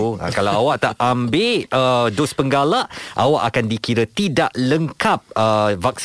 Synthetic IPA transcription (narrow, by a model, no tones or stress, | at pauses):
a̰kalawawaʔt̪aʔambeədʊspəŋɡalaʔʔa̰waʔa̰kandikiɾət̪idaʔləŋkap̚əvak̚s